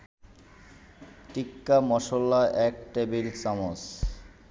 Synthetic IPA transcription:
ʈikːamɔʃolːaʔɛk̚ʈebilt͡ɕɔmos

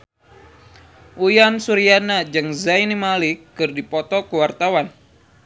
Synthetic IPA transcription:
ʔujansuɾianad͡ʒɨŋzajnimalikːɨrdipɔt̪ɔkəwart̪awan

